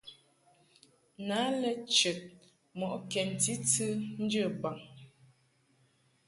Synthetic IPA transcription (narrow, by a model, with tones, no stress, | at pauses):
na˨˦lɛ˨t͡ʃə˨t̚ | mɔ˨ʔkɛ˨n˨ti˦tɨ˦n̩˦d͡ʒə˦˨ba˨ŋ